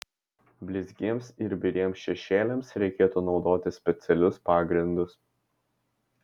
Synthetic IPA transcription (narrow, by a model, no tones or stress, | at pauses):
bʲlʲɪzʲɡʲiɛmsɪɾbʲɪɾʲiɛmsʃʲɛʃʲeːlʲɛmsɾʲɛɪkʲeːt̪uːnɒʊd̪oːt̪ʲɪsʲpʲɛt̪sʲɛlʲʊspɑːɡɾʲɪnd̪ʊs